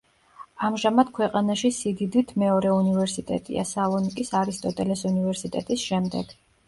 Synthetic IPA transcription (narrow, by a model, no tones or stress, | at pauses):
amʒamad̪̥kʰwɛqʼanaʃisid̪id̪it̪ʰmɛɔɾɛunivɛɾsit̪ʼɛ̰t̪ʼḭa̰salˠɔnikʼisaɾist̪ʼɔt̪ʼɛlɛsunivɛɾsit̪ʼɛt̪ʼisʃɛmd̪ɛɡ̥